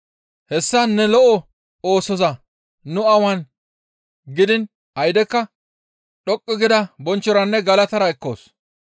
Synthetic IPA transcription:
hɛsːɐnːɛlɔʔɔ | oːsɔzɐ | nʊɐwɐn | ɡɪd̪ɪn | ɐjd̪ɛkːɐ | ɗɔkʼːɔɡɪd̪ɐbɔnt͡ʃːɔɾɐnːɛɡɐlɐt̪ɐɾɐɛkːo̰ːs

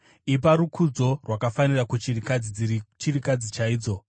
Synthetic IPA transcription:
ip̬aɾukʰud͡zo̞rwakafanirakut͡ʃiikad͡zid͡zit͡ʃirikad͡zit͡ʃaiːd͡zo̞

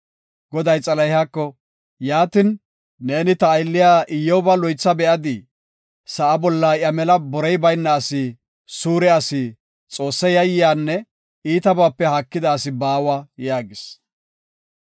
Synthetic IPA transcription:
ɡɔd̪ɐjt͡sʼɐlɐjhakːɔ | jaːt̪ɪnː | e̞ːnɪt̪ɐːjlːɪjaːʔɪjːowbɐlɔjt͡sːɐbɛʔɐd̪ɪ | sɐʔɐbɔlːɐʔjɐmɛlɐbɔɾɛjbɐjnːɐːsɪ | suːɾɛɐsɪ | t͡sʼo̞ːsːɐjɐjːɪjaːnːɛ | iːt̪ɐbaːpːɛhɐkːɪd̪ɐːsɪbaːwajaːɡɪs

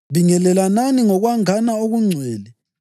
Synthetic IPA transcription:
βiŋɛlɛlananiŋɔɣwaŋanaoɣuŋ͡ǀʱwɛːlɛ

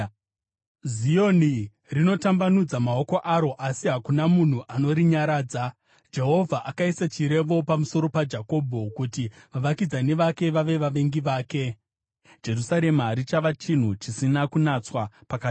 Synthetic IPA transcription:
zio̞ni | rino̞tambanud͡zamao̞ko̞ʔaɾo̞ʔasiɦakunamun̤uʔano̞ɾiɲaɾaːd͡za | d͡ʒe̞ɦo̞vʱaʔakaisat͡ʃiɾe̞ʋo̞pamuso̞ɾo̞pad͡ʒako̞bʱo̞kuti | ʋaʋakid͡zane̞ʋake̞ʋaʋe̞ʋaʋe̞ŋɡiʋaːke̞ | d͡ʒe̞rusaɾe̞maɾit͡ʃaʋat͡ʃin̤ut͡ʃisinakunat͡swapaka

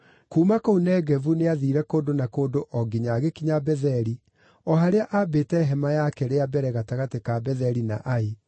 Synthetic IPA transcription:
kuːmakounɛɣɛvuneaðiːɾɛkoːndonakoːdoʔɔɡiɲaɣekiɲabɛðɛɾi | ɔɦaɾeaʔabeːtɛɦɛmajakɛɾeabɛɾɛɣataɣatekabɛðɛɾina̰ʔae

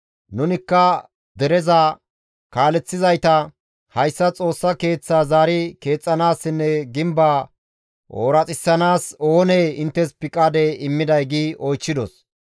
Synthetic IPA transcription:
nʊnɪkːɐ | d̪ɛɾɛza | kaːlɛt͡sːɪzɐjt̪ɐ | hɐjsːɐt͡sʼo̞ːsːɐke̞ːt͡sːaːzaːɾɪke̞ːt͡sʼːɐnaːsːɪnːɛɡɪmbaː | ʔo̰ːɾɐt͡sʼɪsːɐnaːso̞ːneɪnt̪ːɛspɪkʼːaːd̪eɪmːɪd̪ɐjɡiːʔɔjt͡ʃːɪd̪ɔs

